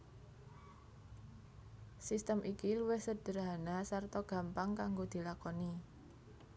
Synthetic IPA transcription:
sist̪əmʔikiluwɪhsəd̥ə̤ɾaɦanasart̪ɔɡ̥ä̤mpaŋkaŋɡod̪̥i̤lakɔni

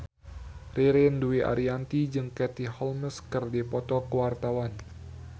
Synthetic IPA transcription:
riɾɪnduiʔa̰ɾiant̪id͡ʒɨŋkɛt̪ihɔlməskɨrdipɔt̪ɔkəwart̪awan

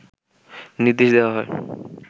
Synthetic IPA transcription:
niɾd̪ːeʃd̪ewaɦɔe

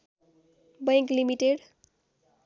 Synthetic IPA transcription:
bʌjŋklimiʈeɽ

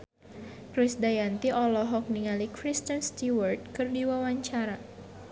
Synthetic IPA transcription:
kɾisdajant̪iʔɔlɔɦɔk̚niŋalikɾist̪ənst̪iwart̪̚kɨrdiwawaɲt͡ʃaɾa

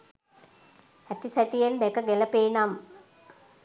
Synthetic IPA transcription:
ɐt̪ːisɐʈːijend̪ekːɐɡelɐpeːnam

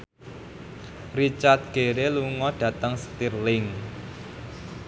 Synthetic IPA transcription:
rit͡ʃart̪̚ɡ̥eɾeluŋɔɖ̥ä̤t̪əŋst̪irlɪŋ

